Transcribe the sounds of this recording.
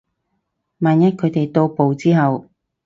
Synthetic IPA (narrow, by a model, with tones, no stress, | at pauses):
maː˨njɐ˥t̚kʰɵ˨˧t̪e˨jt̪o˧wpo˨wt͡siː˥ɦɐ˨w